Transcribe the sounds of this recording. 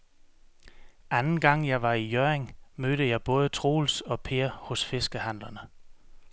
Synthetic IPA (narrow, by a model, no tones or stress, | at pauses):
ænn̩ɡ̥ɑ̈ŋ̰jɑ̈ɪʋɑ̈ijøɐeŋmøːɾ̥əjɑ̈ɪb̥ɔ̽ːð̞ˠət͡sʰʁo̝̰ːlsɒ̽pʰe̝ɐhɔ̽sfe̝sɡ̥əhæn̰lɐnə